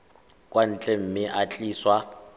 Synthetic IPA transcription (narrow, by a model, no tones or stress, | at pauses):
kʼwan̩t͡ɬʼem̩mɪʔat͡ɬʼiːswa